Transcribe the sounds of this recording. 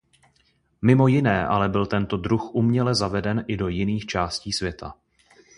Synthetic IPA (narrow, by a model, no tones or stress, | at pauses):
mɪmo̞jɪnɛːʔalɛbɪlt̪ɛnt̪o̞dɾuxʔumɲɛlɛzavɛdɛnʔɪdo̞jɪniːxt͡ʃaːsciːsvjɛt̪ʰa̰